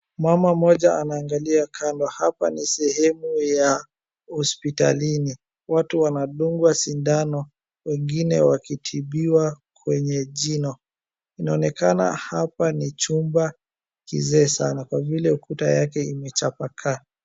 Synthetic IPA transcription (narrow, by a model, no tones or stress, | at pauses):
mamamɔʄaanaːŋɡaliakʰandɔhapa̰nisɛhɛmuja | hɔspita̰lini | watuwanaɗuŋɡwasindanɔ | wɛŋɡinɛwakitʰiɓiwa | kwɛɲɛʄinɔ | inaɔnɛkana̰hapanit͡ʃumba | kḭzɛːsanakwavilɛukutajakɛimɛt͡ʃapakʰa